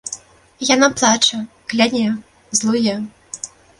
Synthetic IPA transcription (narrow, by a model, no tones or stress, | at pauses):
janaplˠat͡ʂɐ | klʲanʲɛ | zlˠɔjɛ